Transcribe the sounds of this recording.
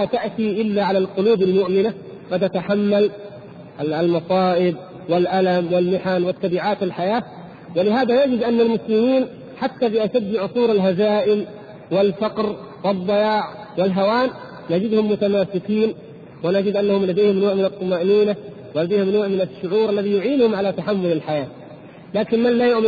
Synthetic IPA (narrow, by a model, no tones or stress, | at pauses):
at̪aʔt̪iʔɪlːaʕalalqʊluːbalmʊʔmɪna | qɑd̪t̪ːat̪aħamːal | lmɑsˤɑːʔɪb̪̚ | wɪlʔalamwɪlmɪħanwɪt̪ːɑbiːʕaːt̪ɪlħajaː | wɪlɪɦaːd̪anad͡ʒɪd̪ʔanːalmʊslɪmiːn | ħat̪ːabɪʔaʃad̪ːɪʕʊsˤuːɾalɦazaːʔɪm | wɪlfɑqɾ | wɪd̪ˤːɑjaːʕ | wɪlɦawaːnː | ad͡ʒɪd̪hʊmːʊt̪amaːsɪkiːn | wɪnad͡ʒɪd̪ʔanːahʊmlad̪eːhɪmnoːʕmɪnɨt̪ˤːɑmaːʔniːna | wɪlad̪eːhɪmnoːʕmɪnɪʃːʊʕuːɾʔalːaðijʊʕiːnhʊmʕalat̪aħamːʊlalħajaː | laːkɪnmanlaːjʊʕm